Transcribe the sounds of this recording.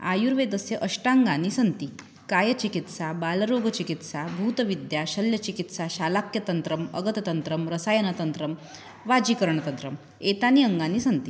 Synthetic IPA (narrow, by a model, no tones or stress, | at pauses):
a̰juɾʋed̪əsjəʔəɕʈãŋɡaniːsənt̪i | kajət͡ɕikit̪sabalɾoɡət͡ɕikit̪sabʱut̪ʋid̪jaɕəljət͡ɕikit̪saɕalakjət̪ənt̪ɾəmə̰ɡət̪t̪ənt̪ɾəmɾəsajənət̪ənt̪ɾəm | ʋad͡ʑiːkəɾɳət̪ənt̪ɾəm | et̪aniəŋɡaniːsənt̪i